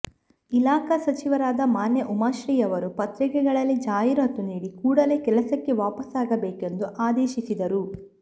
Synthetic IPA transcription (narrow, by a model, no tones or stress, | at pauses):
ilaːkɐsɐt͡ʃiʋɐɾaːd̪ɐmaːnjɐʔumaːʃɾiːjɐʋɐɾupɐt̪ɾikɛɡɐɭɐlːid͡ʒaːjiɾɐt̪ːuniːɽikuːɽɐle̞ːkɛlɐsɐkːeʋaːpɐsaːɡɐbeːke̞nd̪uʔaːd̪eːʃisid̪ɐɾu